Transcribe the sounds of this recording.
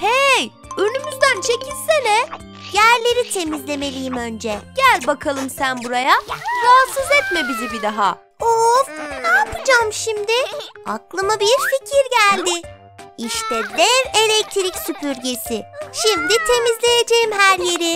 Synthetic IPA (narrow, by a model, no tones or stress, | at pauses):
hej | ønymyzd̪ænt͡ʃʰe̞cʰilʲsenɛ | jæɾlʲe̞ɾit̪ʰe̞mizlʲe̞me̞lʲijimø̞nd͡ʒɛɟ̥ælʲbakʰalˠɯmsænbuɾajaɾaːsɯzɛt̪mɛbizibid̪aɦa̰ | onaːpɯd͡ʒamʃimd̪ɪa̰klˠɯmabiɾficʰiɾɟælʲd̪ɪ | iʃt̪ɛd̪ɛɾe̞lʲɛc̚t̪ʰiɾicsypʰyɾɟe̞sɪʃimd̪it̪ʰe̞mizlʲe̞jed͡ʒe̞jimɦæɾje̞ɾɪ